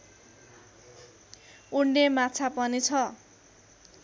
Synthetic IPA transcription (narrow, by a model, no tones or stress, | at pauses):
uɳɖemat͡sʰapʌnit͡sʰʌ